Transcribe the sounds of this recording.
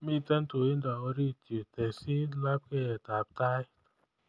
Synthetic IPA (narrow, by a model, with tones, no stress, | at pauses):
mi˦˨tɛ˦n˦to˨i˦n˦da˨ɔ˧ɾi˦˨te˨tɛ˨si˦la˦p̚kɛ˦˨ɛ˨ta˨p̚ta˦j